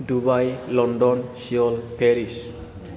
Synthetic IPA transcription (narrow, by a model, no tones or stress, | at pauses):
dubajlɔnɖɔnsiɔlpʰeɾis